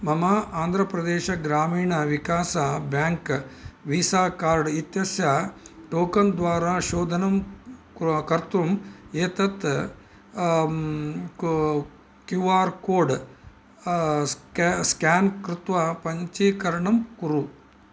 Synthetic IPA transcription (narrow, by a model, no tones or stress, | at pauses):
mɐmɐaːnd̪ʱɾɐpɾɐd̪eːʃɐɡɾaːmiːɳɐʋikaːsɐbjaːŋkʋiːsaːkaːɾɖit̪jɐsjɐʈoːkɐnd̪ʋaːɾaːʃoːd̪ʱɐnɐm | kɐɾt̪ɾumeːt̪ɐt̪ | kjuʋaːɾkoːɖ | skaːnkɾut̪ʋɐpɐɲt͡ʃiːkɐɾɐɳɐmkuɾu